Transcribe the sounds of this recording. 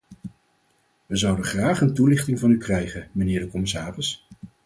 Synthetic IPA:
ʋəzʌwdəχraːχəntulɪχtɪŋvɑnykrɛjχənmənɪːɹdəkɔmɪsaːrəs

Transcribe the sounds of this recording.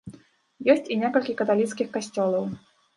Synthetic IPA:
jɔsʲt͡sʲinʲɛkɐlʲkʲikɐt̪alʲit̪skʲixkasʲt͡sʲɔlˠɐw

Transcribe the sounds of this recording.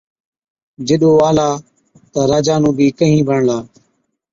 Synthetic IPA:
d͡ʒɪɗoːaːlaː | t̪əɾaːd͡ʒaːnũːbʱiːkəɦĩːbʱəɳlaː

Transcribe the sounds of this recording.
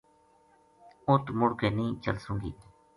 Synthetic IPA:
õːt̪umʊɽkeːnĩːt͡ʃə̰lsũːɡḭː

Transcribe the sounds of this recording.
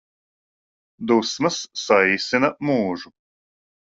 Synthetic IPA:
d̪usmɐsːajsʲɪnɐmuːʒu

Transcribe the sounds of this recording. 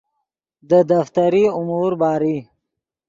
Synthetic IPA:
d̪əd̪aft̪aɾiʊmuɾbɑːɾi

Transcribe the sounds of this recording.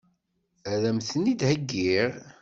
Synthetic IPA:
æðæmθənid̪həɡːiɾ

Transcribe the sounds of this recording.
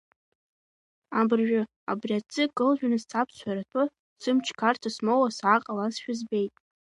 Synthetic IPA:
abɨrʒᶣʊ | a̰briat͡sʼɨkʼɨlʒᶣanɨzt͡sʰapʰt͡ɕʷʰaɾatʰa | sɨmt͡ʃʰkʰartʰasmowasʕaqʼalasʃᶣazbejtʼ

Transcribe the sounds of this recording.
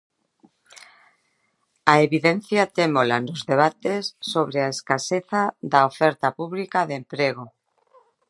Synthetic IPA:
aeβiðen̟θjat̪emolanozðeβ̞at̪esːoβɾeaeskaseθaðaofɛɾt̪apuβlikaðempɾeɣ̞o

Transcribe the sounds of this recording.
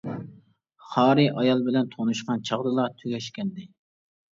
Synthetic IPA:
χɑːɾɨʔɑjɑlˠbɪlɛnt̪ʰonuʃqɑnt͡ʃʰɑʁd̪ɨlˠɑt̪ʰøɡʲɛʃkʲɛnd̪ɪ

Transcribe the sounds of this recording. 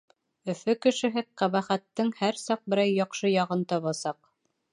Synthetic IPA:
ɵ̆fɵkɘ̆ʃɘ̆ɦɘqæβæχæt̪ːɘŋhæɾsɑq̚bɘ̆ɾæjːɑqʃɤjɑʁɤnt̪ɑβɑsɑq

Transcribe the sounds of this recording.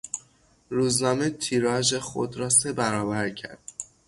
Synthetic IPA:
ruːznɒːmet̪ʰiːɾɒːʒexo̰d̪ɾɒːsebæɾɒːbæɾcʰæ̰ɾd̪̥̚

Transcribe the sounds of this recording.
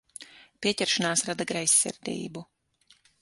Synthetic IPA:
pʲiɛcɛɾʃanaːsɾad̪aɡɾajsʲːɛ̰ɾd̪ḭːbu

